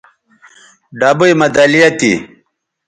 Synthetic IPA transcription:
ɖaːbujmɐd̪alijɐt̪ḭ

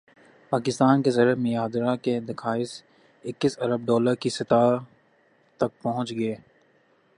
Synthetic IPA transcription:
paːkɪst̪aːnkezɐɾəmẽjaːd̪ɾaked̪ɪkʰaːɪs | ɪkːɪsɐɾəb̚ɖɔːləɾkisɐt̪a | t̪ɐk̚pɐɦʊ̃t͡ʃɡɐeː

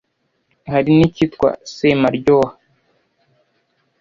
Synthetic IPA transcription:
haɾinicitkwa̰semaɾɟoha

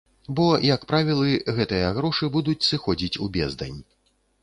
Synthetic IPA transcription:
bɔjɐkpɾavʲilˠɨɣɛt̪ɨjɐɣɾɔʂɨbud̪ut͡sʲsɨxɔd͡zʲit͡sʲubʲɛzd̪ɐ̰nʲ

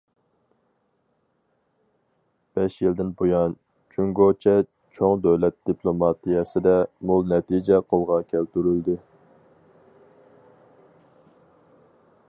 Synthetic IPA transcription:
b̥ɛʃjild̪ɪnbojɑn | t͡ʃʰyŋɡot͡ʃʰɛ | t͡ʃʰoŋd̪øwlɛt̪̚d̪̥ipʰlˠomɑt̪ʰijɛsɪd̪ɛmolˠnɛt̪ʰid͡ʒɛqʰolˠʁɑkʲʰælt̪yɾyld̪ɪ

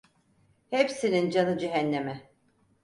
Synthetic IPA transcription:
hepsinind͡ʒanɯd͡ʒeɦænːemɛ

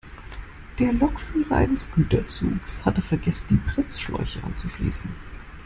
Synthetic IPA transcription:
d̥eːɐlɔkfyːʁɐʔa̰ɪnəsɡ̥yːtɐt͡sṵːkshatəfɛɐɡɛsn̩d̥iːpʁ̥ɪmsʃlɔ̰ʏçəʔa̰nt͡suʃlḭːsn̩

